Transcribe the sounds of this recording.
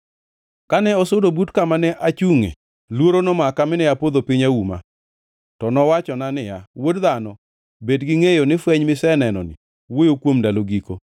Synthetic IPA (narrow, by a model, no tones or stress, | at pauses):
kanɛɔsodobutkamanɛʔat͡ʃuŋḛ | lwoɾonɔmakamɪnɛjapod̪opiɲauma̰ | tɔnɔwat͡ʃɔnanɪjawodðanɔ | bedɡɪŋejonɪfwɛɲmɪsɛnɛnɔ̰nɪ̰ | wojokwomdaloɡiko